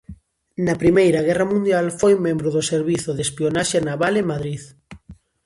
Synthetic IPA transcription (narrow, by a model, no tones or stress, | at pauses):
nɐpɾimejɾɐɣɛrɐmũnd̪jalfojmẽmbɾʊðʊseɾβiθʊðespionaʃenaβalemaðɾið